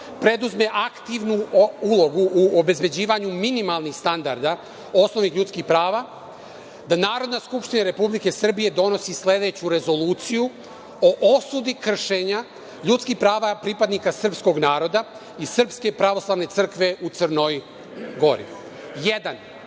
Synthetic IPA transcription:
pɾe̞d̪uzme̞ʔakt̪iʋnuulo̞ɡuʔːobe̞zbe̞d͡ʑiːʋaɲuminimalˠnixst̪and̪aɾd̪a | o̞snoʋnixʎut̪skixpɾaːʋa | d̪anaːɾo̞d̪naskupʃt̪inaɾe̞publike̞sr̩bije̞d̪o̞no̞sisle̞d̪e̞t͡ɕuɾe̞zo̞luːt̪siju | o̞ʔosud̪ikr̩ʃeɲa | ʎut̪skixpɾaːʋapɾipad̪nikasr̩psko̞ɡnaːɾo̞d̪a | isr̩pske̞pɾaʋo̞slˠaːʋne̞t̪sr̩kʋe̞ʔut̪sərnoj | ɡo̞ɾḭ | jed̪an

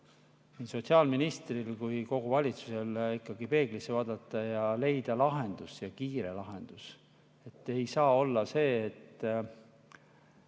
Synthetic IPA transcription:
niːso̞t̪siɑːlminist̪rilkujko̞ɡ̥uvɑlʲit̪su̥se̞likːˑɑɡipe̞ːɡ̥lisevɑːd̪ɑt̪ːˑɑjɑle̞jd̪̥ɑlɑɦe̞nd̪̥usjɑkiːɾelɑɦe̞nd̪̥us | e̞t̪ːe̞jsɑːo̞lːɑse̞ːt̪ː

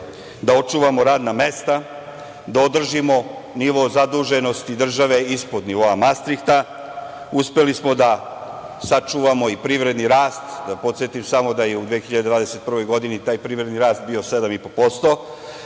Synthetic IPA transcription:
d̪ao̞t͡ʃuːʋamo̞ɾaːd̪name̞st̪a | d̪ao̞d̪r̩ʒimo̞niʋo̞zad̪uːʒe̞no̞st̪id̪r̩ʒaʋe̞ispod̪niʋo̞amast̪ɾikt̪a | uspe̞lismo̞d̪a | sat͡ʃuːʋamo̞ipɾiʋɾe̞d̪niɾaːst̪d̪apo̞t̪sjet̪imsamo̞d̪ajeud̪ʋiexiʎad̪ed̪ʋaːd̪e̞se̞t̪̚pr̩ʋo̞jɡo̞d̪init̪aːjpɾiʋɾe̞d̪niɾaːst̪̚bio̞se̞d̪amipo̞po̞st̪o̞

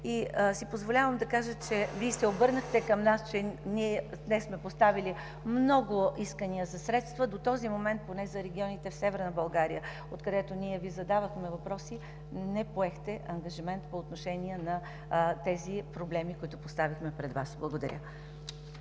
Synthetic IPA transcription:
isipozvolʲavəmd̪ɐkaʒət͡ʃɛvisɛobɤɾnəxt̪ɛkɐmnast͡ʃɛniɛd̪nɛsmɛpost̪avili | mnɔɡʊiskəniəzɐsɾɛt̪st̪vəd̪ot̪ɔzimomɛnt̪̚ponɛzɐɾɛɡʲiɔnit̪ɛfsɛvɛɾnɐbɐlˠɡaɾijə | ot̪kɐd̪ɛt̪oniɛvizɐd̪avəxmɛvɐpɾɔsi | nɛpoɛxt̪ɛʔɐŋɡɐʒimɛnt̪poːt̪noʃɛniɛnɐ | t̪ɛzipɾoblɛmikoit̪ʊpost̪avixmɛpɾɛd̪vasblˠəɡod̪ɐ̰ɾʲʔə̰

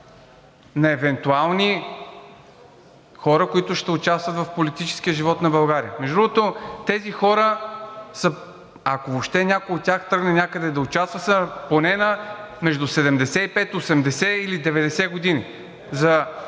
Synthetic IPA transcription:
nɐɛvɛnt̪ualˠni | xɔɾəkoit̪ʊʃt̪ɛʊt͡ʃast̪vət̪vɐfpolit̪it͡ʃɛ̥sk̟iəʒivɔt̪nɐbɐlˠɡaɾiəmɛʒd̪ɾuɡot̪ot̪ɛzixɔɾəsə | ɐkovopʃt̪ɛnʲakojot̪ːʲaxt̪ɾɤɡnɛnʲakəd̪ɛd̪ɐʊt͡ʃast̪vəsɛponɛnəmɛʒd̪usɛd̪ɛmd̪ɛsɛipɛt̪osɛmd̪ɛsɛilid̪ɛvɛd̪ɛsɛɡod̪ini | zɐ

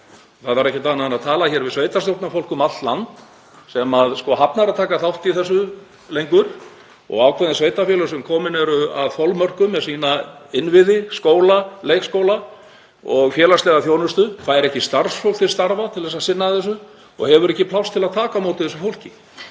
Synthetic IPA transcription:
θaðvaɾɛhcɪt̪aːnanaðt̪ʰaːlaçɛːɾvɪðsveːjt̪ast̪owt̪nafowl̥kʏmat̪lant̪ | sɛmaðskɔɦapnaɾaðt̪ʰaːkaθawht̪iθɛs̬ːʏ | lejŋkʏɾ̥ | ɔ̰ɣaːwkʰvɛðɪnsveːjt̪afjɛlʏsɛmkʰɔːmɪnɛɾʏa̰ðfɔlmœr̥kʏmːɛðsiːnaɪnvɪðɪskoːwlaleːjkskowla | ɔɣfjɛːlast̪ɛːɣaθjownʏst̪ʏkʰaðɛɾɛhcɪst̪arsfowl̥t̪ʰɪlst̪aɾvat̪ʰɪlðɛsaðsɪnːaðθɛs̬ʏ | ɔ̰ɣhɛvʏɾɛhcɪpʰlawst̪ʰɪlaðt̪ʰaːkamoːwt̪ɪθɛsːʏfowl̥cɪ

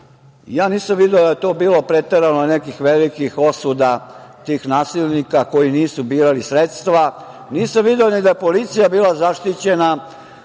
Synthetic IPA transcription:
jaːniːsamʋid̪eod̪ajet̪o̞ːbiːlˠo̞pɾet̪eɾanonekixʋelikixo̞sud̪at̪iːxnaːsilnikako̞jiniːsubiːɾalisɾet̪st̪ʋa | niːsamʋid̪eonid̪ajepo̞lit̪sijabiːlˠazaʂt̪it͡ɕena

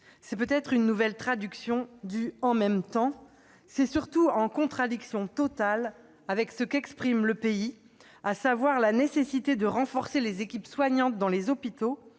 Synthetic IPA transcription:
sɛpøt̪ɛt̪χynːuvɛlt̪χad̪yksjɔ̃d̪yɑ̃mɛmt̪ɑ̃ | sɛsyʁt̪uɑ̃kɔ̃t̪χad̪iksjɔ̃t̪ɔt̪al | avɛksəkɛkspχimləpei | asavwaʁlanesesit̪ed̪əʁɑ̃fɔʁselezekʲipswaɲɑ̃t̪̚d̪ɑ̃lezɔpit̪o

